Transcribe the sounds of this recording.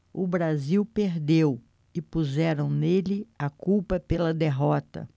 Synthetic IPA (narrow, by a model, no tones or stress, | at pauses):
ʊbɾaziwpeɾd̪ew | ɪpuzɛɾɐ̃w̃nelɪakuwpɐpelɐd̪eɦɔt̪ɐ̰